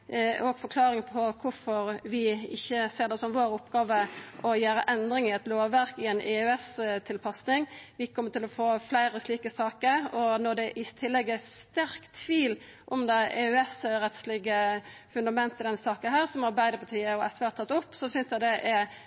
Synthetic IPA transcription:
ɔɡfɔɾkʰlɑːɾɪŋpʰɔkʰʊɾfɔɾʋɪɪçːəseːɾd̪ɛsɔmʋoːɾʊpɡɑːʋəʔɔjæːɾəʔɛnd̪ɾɪŋɪɛt̪loːʋːæɾkɪɛnʔɛʉɛst̪ʰɪlpʰɑsnɪŋʋɪkʰɔmːət̪ɪlɔfoːflæɪɾəsliːkəsɑːkəɾɔnɔd̪ɛʔɪt̪ʰɪlːɛɡːəst̪æɾkt̪ʰʋiːl | ʔɔmd̪æɪɛʉɛsɾɛt̪slɪɡəfʉnd̪ɑmɛnt̪ʰəɪd̪ɛnsɑːkənɦæːɾʁsɔmɑɾbæɪd̪əpʰɑt̪ʰiːəɔɛsʋeːæt̪ɑt̪ːʊpːsɔsʏnsjæd̪ɛʔɛ

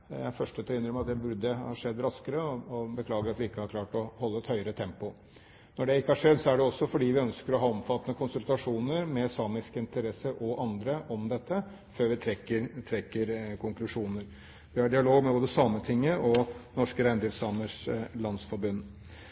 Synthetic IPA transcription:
æfœʂʈət̪ʰɛʏnːɾmɑt̪d̪ɛbʉɖ̪əhɑʂɛd̪ːɾɑskəɾəɔɔbəkʰlɑːɡəɾɑt̪ʋɪɪkːəhɑɾkʰlɑːʈɔhɔlːəɛt̪hœʏəɾət̪ʰɛmpʊ | nɔɖɛɪkːəhɑʂɛd̪ːsɔæɖɛɔsːɔfɔɖiːʋɪœnskəɾɔɦɑːɔmfɑt̪ːənəkʰʊnsʉlt̪ɑʂuːnəɾmɛsɑːmɪskəɪnt̪əɾɛsːəɾʔɔʔɑnd̪ɾəʔɔmd̪ɛt̪ːə | føːɾʋɪt̪ʰɾɛkːəɾt̪ʰɾɛkːəɾkʰʊŋklʉʂuːnəɾ | ʋɪhɑɖɪɑloːɡmɛboːd̪əsɑmːət̪ʰɪŋːəʔɔnɔʂkəɾæɪnd̪ɾɪfsɑːməʂlɑnsfɔɾbʉnː

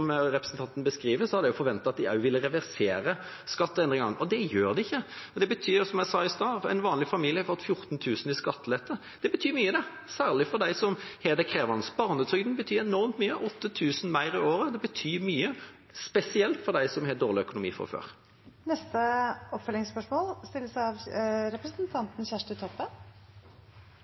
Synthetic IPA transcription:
mɾɛpɾəsn̩t̪ʰɑnt̪ənəbəskɾiːʋəsɔhɑd̪ɛjʊfɔɾʋɛnt̪ːɑɑt̪̚d̪ɪɑʉʋɪlːəɾɛʋæɾseːɾə | skɑt̪ːəɛnd̪ɪŋɡɑŋʔɔd̪ɛjøːʁd̪ɛɪçːəd̪ɛbət̪ʰyːɾsɔmjæɪsɑːɪst̪ɑːɛ̰ɪnʋɑːnlɪfɑmiːljəhɑhɔt̪ːfjʊɾt̪n̩t̪ʰʉːsn̩ɪskɑt̪ːlɛt̪ːə | d̪̥ɛbət̪ʰyːmyːəd̪ɛ | sæːʁlɪfɔʁd̪æɪsɔmhɛːd̪əkʰʁeːʋɑnsbɑːʁnət̪ʰʁʏɡ̚d̪n̩bət̪ʰyːɛnɔʁmt̪myːəʔɔt̪ːət̪ʰʉːsən̩mæɪʁɪoːɾəd̪ɛbət̪ʰyːmyːə | spɛsɪɛlt̪fɔʁd̪æɪsɔmhɛːd̪oːʁlɪœkʊnʊmḭːfɔ̰fø̰ːʁ | nɛst̪əɔpfœlɪŋspœʂmoːlst̪ɪlːəsɑʋɾɛpɾəsnt̪ʰɑnt̪n̩çæʂʈət̪ʰɔpːən

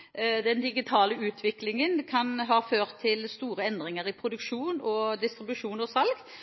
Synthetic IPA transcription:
d̪ɛnd̪ɪɡɪt̪ʰɑːləʉːt̪ʰʋɪklɪŋənkʰɑnɦɑːføːʁt̪ʰːɪlst̪uːɾəɛnd̪ʁɪŋəʁɪpʰɾʊd̪ʉkʃuːnɔd̪ɪst̪ɾɪbʉʂuːnɔsɑlɡ

